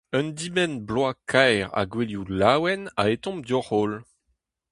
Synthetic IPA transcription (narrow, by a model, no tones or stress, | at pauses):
œ̃nd̪imɛnblwakʰajʁa̰ɡweljulawɛna̰et̪ɔ̃md̪ɔʁoːl